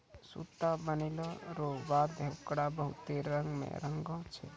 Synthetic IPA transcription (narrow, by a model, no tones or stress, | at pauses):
sṵt̪abəniloɾoʋaːd̪ewkɽabəɦʊt̪eɾə̃ŋɡmḛ̃ɾə̃ŋɡõt͡ʃʰḛ